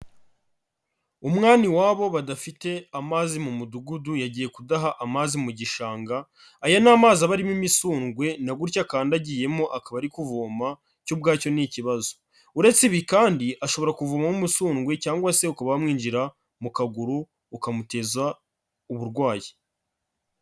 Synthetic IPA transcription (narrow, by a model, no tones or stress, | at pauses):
umŋaːniwaːβo̞βadafite̞amazimumuduɡudujaɟiːje̞kudaɦaʔamazimuɟiʃaːŋɡaː | janaːmaːzaβaɾimimisuːŋɡwe̞naɡuɾcakaːndaɟiːje̞mo̞ʔakaβaɾikuvoːma | cub̚ɡaːco̞niciβazo̞̥ | uɾe̞t͡siβikaːndiʔaʃo̞βo̞ɾakuvuːmamumusuːŋɡwe̞caːŋɡwase̞ukaβaamŋiːnd͡ʒiɾa | mukaɡuɾuː | kamute̞za | uβuɾɡwaːji